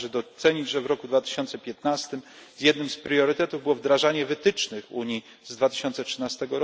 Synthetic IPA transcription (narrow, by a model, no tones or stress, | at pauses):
ʐɛd̪ɔt̪sɛɲid͡ʑʐɛvɾɔkud̪vat̪ɘ̥ɕɔnt̪sɛpʲjɛt̪nast̪ɘmzjɛd̪nɘmspɾjɔɾɘt̪ɛt̪uvbɘwɔvd̪ɾaʐaɲɛvɘt̪ɘt͡ʂnɘxṵɲi | zd̪vat̪ɘ̥ɕɔnt̪sɛtʂɘnast̪ɛɡɔɾɔ